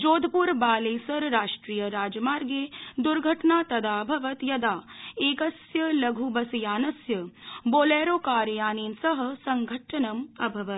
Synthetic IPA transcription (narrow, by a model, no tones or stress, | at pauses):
d͡ʒoːd̪ʱpuɾbaːleːsɐɾɾaːʂʈɾiːjəɾaːd͡ʒmaːɾɡed̪uɾɡʱɐʈnaːt̪ɐd̪aːbʱɐʋɐt̪jɐd̪aːeːkɐsjɐlɐɡʱubɐsijaːnɐsjɐboːleːɾoːkaːɾjaːneːnsɐɦɐ̆sɐŋɡʱɐʈʰɐnɐmɐbʱɐʋɐt̪